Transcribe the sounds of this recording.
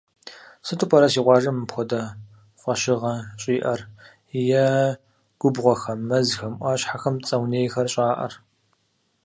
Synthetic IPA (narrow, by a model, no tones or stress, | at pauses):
sɨtʼʊpʰʼɐɾɐsiːqʷɑːʒɐmɨpxʷɔdɐ | χʷɐɕɪʁɐɕʼiːʔɐr | jɛ | ɡ̥ʷʊbʁʷɔxɐmːɐzxɐmʔʷɐːɕħaxɐmt͡sʼɐwneːjxɐrɕʼaːʔɐ̰r